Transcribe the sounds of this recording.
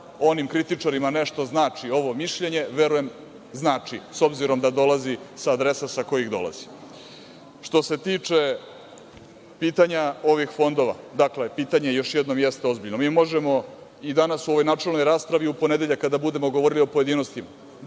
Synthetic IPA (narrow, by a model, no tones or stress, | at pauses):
o̞nimkɾit̪it͡ʂaɾimane̞ʂt̪o̞znaːt͡ʂio̞ʋo̞miʃʎe̞ɲe̞ʋe̞ɾuje̞m | znaːt͡ʂiso̞bziɾo̞md̪ad̪o̞lˠazisaːd̪ɾesasako̞jiɣd̪o̞̰la̰zi̥ | ʂt̪o̞se̞t̪iːt͡ʂe̞ | piːt̪aɲao̞ʋixfo̞nd̪o̞ʋa̰d̪akle̞piːt̪aɲe̞jo̞ʃjed̪no̞mjest̪eo̞zbiʎno̞miːmo̞ʒemo̞ | id̪anasuoʋo̞jnaːt͡ʂelno̞jɾaːspɾaʋiupo̞ned̪e̞ʎakːad̪abud̪e̞mo̞ɡoʋo̞ɾilio̞poje̞d̪iːno̞st̪ima